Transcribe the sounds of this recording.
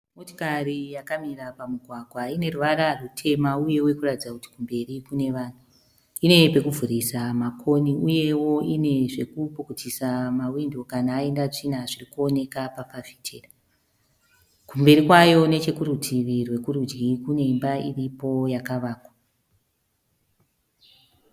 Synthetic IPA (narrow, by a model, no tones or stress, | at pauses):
moto̥karijakamirapamuɡʱwaɡʱwaine̞ruʋaɾarutʰe̞mauje̞we̞kuratid͡zakuti̥kumbe̞rikune̞ʋaːn̤u | ine̞pe̞kuvʱuɾisamakʰo̞niuje̞wo̞ʔine̞ʐe̞kupokutʰisamawindo̞kanaːe̞ndat͡ʂin̤aʐirikuo̞ne̞kapafafi̥tʰeːra | kumbe̞ɾikwajo̞ne̞t͡ʃe̞kuɾutʰiʋirwe̞kuɾud͡ʒɡikune̞imbairipo̞jakaʋaːkwa